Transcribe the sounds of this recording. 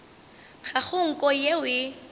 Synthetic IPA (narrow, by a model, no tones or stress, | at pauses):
χaχʊŋ̩kʼɔjewɪ